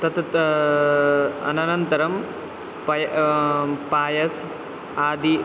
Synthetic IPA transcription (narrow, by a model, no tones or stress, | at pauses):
t̪ɐt̪ | ɐ̰nɐnɐnt̪ɐɾɐm | pɐj | paːjɐs | aːd̪i